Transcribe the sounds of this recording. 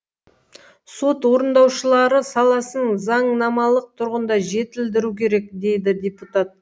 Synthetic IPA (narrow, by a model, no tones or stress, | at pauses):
so̞t̪wo̞ɾənd̪ɑwʃəlˠɑɾəsɑlˠɑsənəɴzɑɴnɑmɑlˠəq̚t̪ʰʊɾʁənd̪ɑʒe̞t̪ɪld̪ɪɾukʲʰe̞ɾe̞k̚d̪e̞jd̪ɪd̪ʲeput̪at̪̚